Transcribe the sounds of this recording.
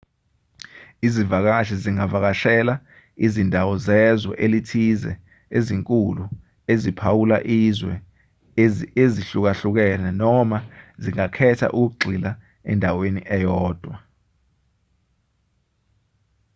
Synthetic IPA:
izivak̬aʃiziŋavak̬aʃɛla | izindʱawɔzɛzɔ̰ʔelitʰizɛ̰ | eziŋkʼulu | ezipʰawula̰ʔizwɛ̰ | eziɬuk̬aɬuk̬ɛnɛnɔmaziŋakʰɛtʰa̰ʔuk̬uk̬uɡ͡ǀʱila | ɛ̰ndʱawenḭʔɛjɔːd̥ʱwa

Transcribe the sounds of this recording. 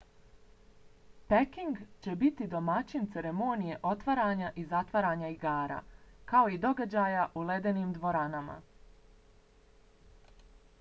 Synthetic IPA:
pekiŋɡt͡ɕe̞bit̪id̪o̞mat͡ɕint̪se̞ɾe̞mo̞ːnije̞ʔo̞t̪ʋaɾaːɲaʔizat̪ʋaɾaːɲaiɡaːɾa̰ːkao̞id̪o̞ɡad͡ʑaːjaʔuled̪e̞niːmd̪ʋo̞ɾanama̰

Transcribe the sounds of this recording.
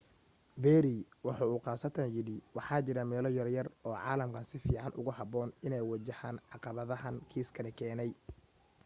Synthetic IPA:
bɛːɾiwɑħɑːuːqɑːsɐt̪ʰɐnjɪɽɪwɑħɑːt͡ʃɪɾɐmɛːlɔjɐrjɐrɔːʕɑ̰ːlɐmkʰɐnsɪfiːʕɑnʔʊ̰ɣʊhɑbɔːnɪnɛjwɑt͡ʃɐhaːnʕɑqɑβɐðɐɦɐnkʰiːskʰɐnɪkʰɛːnɛj

